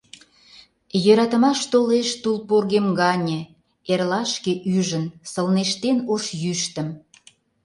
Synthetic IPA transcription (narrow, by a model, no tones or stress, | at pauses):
jøɾɑt̪ə̆mɑʃt̪oleʃt̪ulporɣemɡɑnʲə̆ | erlɑʃkeʔyʒənsəlneʃt̪enoʃjyʃt̪əm